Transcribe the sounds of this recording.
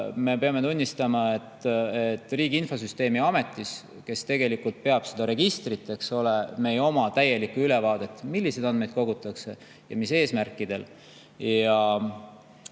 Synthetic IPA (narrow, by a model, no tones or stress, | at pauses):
me̞pe̞ɑme̞t̪unʲːist̪ɑmɑe̞t̪ːet̪ːˑriːɡ̥iinfo̞s̬yst̪e̞ːmiɑme̞t̪ˑːis | ke̞st̪e̞ɡ̥e̞likult̪̚pe̞ɑb̥se̞d̪̥ɑɾe̞ɡ̥ist̪rit̪ːˑe̞kso̞leme̞jo̞mɑt̪æje̞likuyle̞vɑːd̪̥e̞t̪ːˑmilːise̞d̪̥ɑnd̪me̞jd̪̥ko̞ɡut̪ˑːɑkse̞ | jɑ̰mise̞ːsmærkˑːid̪̥e̞l | jɑ